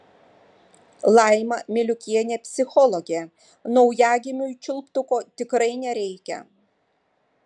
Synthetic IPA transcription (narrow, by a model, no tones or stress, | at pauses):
lˠɑˑɪmɐmʲɪlʲʊkʲiɛnʲeːpʲsʲɪxɔlˠɔɡʲe | nɔʊjæːɡʲɪmʲʊt͡ʃʲʊlˠpt̪ʊkoːt̪ʲɪkɾɐɪnʲɛɾʲɛɪkʲɛ̰